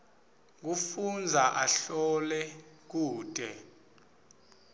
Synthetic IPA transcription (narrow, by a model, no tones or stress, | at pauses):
k̬ufund͡zʱaʔaɬɔlɛ | k̬uːtʼɛ